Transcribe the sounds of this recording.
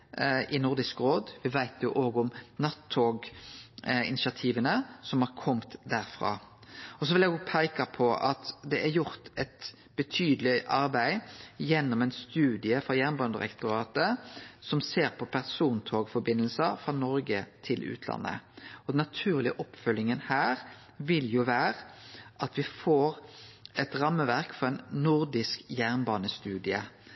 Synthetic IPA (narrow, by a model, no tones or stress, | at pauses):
ʔɪnʊɾd̪ɪskɾoːd̪ʋɪʋæɪt̪jʊʔoːɡʊmnɑt̪ʰːoːɡ | ɪ̰nɪʃɑt̪ʰiːʋənəsɔmhɑɾkʰɔmt̪d̪æɾfʁɑ̰ːɔs̬ɔʋɪljɛɡɔɡpʰæɪkɑpʰɔʔɑt̪d̪ɛʔæɾjʊɾt̪ɛt̪ | b̥ət̪ʰyːd̪lɪʔɑɾbæɪjɛnːɔmɛɪnst̪ʉːd̪ɪəfɾɑjæʁnbɑnd̪əʁɛ̰kt̪ʊɾɑːt̪əsɔmseːʁpʰɔpʰæʁsuːnt̪ʰoːɡfɔbɪnːəlsəfʁɑnɔɾɡət̪ʰɪlʉ̰ːt̪ʰlɑ̰nːə̰ɔd̪nːɑt̪ʰʉːʁlɪəʔɔpfœlːɪŋənhæːʁ | ʋɪljʊʋæːʁəʔɑt̪ʰʋɪfoːʁɛt̪ɾɑmːəʋæʁkfɔɾɛɪnnʊɾd̪ɪskjæʁnbɑːnəst̪ʉːd̪ɪə